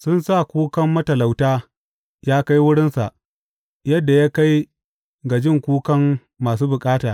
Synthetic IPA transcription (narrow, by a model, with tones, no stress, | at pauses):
sʊ˦nsa˦˨kʷuː˦kɐ˦mːɐ˦tɐ˨la˨wtaː˦ | jaː˦ka˦jwʊ˦ɽɪ˦nsa˨ʔ | jɐ˦dːa˨jaː˦ka˦j | ɡa˨d͡ʒɪ˦ŋkʷuː˦kɐ˦mː | aː˨s̬uː˦bʊ˨kʼaː˦taː˨